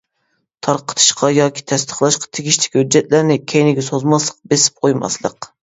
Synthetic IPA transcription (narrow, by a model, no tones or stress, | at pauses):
t̪ʰɑɾqə̥t̪ʰɨ̥ʃqʰɑjɑːkʲʰi̥t̪ʰɛst̪ʰə̥χlˠɑʃqɑ̥t̪ʰeɡʲiʃlɪ̥kʲhød͡ʒːɛt̪̚læɾnɪkʲʰejnɪɡʲɛsozmɑslˠəq̚besɪ̥p̚qʰojmɑ̰slˠə̰q